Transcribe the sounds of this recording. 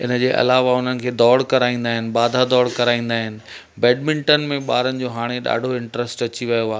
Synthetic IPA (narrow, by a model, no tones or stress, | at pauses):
ɪnə̆d͡ʑeːʔɐ̰laːʋaʊn̤ənɪ̆kʰeːd̪ɔːɽkɐɾaːĩːn̆d̪aːɦɪnɪ̆ɓaːd̪ʱad̪ɔːɽkɐɾaːĩːn̆d̪aːɦɪnɪ̆ | bɛːɖ̚mɪ̃ɳʈənmẽɓaːɾənɪ̆d͡ʑoːɦaːɽ̃eɗa̰ːɖʱoɪ̃ɳʈɾəsʈɐt͡ɕiʋɐjoaː